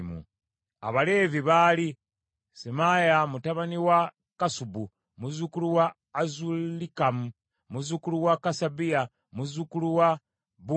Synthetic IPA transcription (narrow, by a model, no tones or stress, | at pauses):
mṵ | a̰βale̞viβaːli | semajamutaβaniwa | kasubu | muzukuluwaː | zulikamu | muzukuluwakasabija | muzukuluwa | bu